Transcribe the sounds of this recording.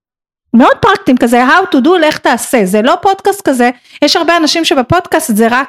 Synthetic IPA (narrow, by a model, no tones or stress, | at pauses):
meo̞d̚pʁak̚timkazeɦawtudule̞χtaːse̞zelo̞po̞dkast̚kaze | jeʃhaʁbeanaʃimʃe̞bapo̞dkastzeʁak